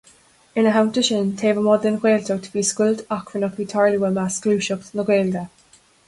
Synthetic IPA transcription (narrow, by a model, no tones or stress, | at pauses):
ɪ̃nəɦaʊ̃ntəʃɪntʰeːvəmɔd̪ənxweːltʰotʰə̥b̥iskʊltakʰɹənɔkʰitʰaɹluwəmaskluːʃɔknəɡweːldə